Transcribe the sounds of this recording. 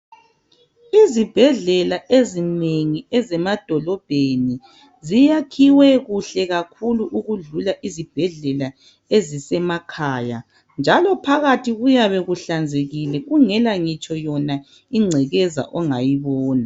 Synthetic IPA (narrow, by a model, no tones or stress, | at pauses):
izib̥ʱɛɮɛlaʔezineŋiɛzɛmad̥ʱɔlɔb̥ʱeni | zijakʰiwɛɣuɬɛɣakʰuluʔuɣuɮulaʔizib̥ʱɛɮɛla | ezisɛmakʰaːja | nd͡ʒʱalɔpʰaɣatʰiɣujaβeɣuɬand͡zʱeɣilɛɣuŋɛlaŋit͡ʃʰʼɔjɔna | iŋ͡ǀʱɛɣɛza̰ʔɔŋajiβɔːna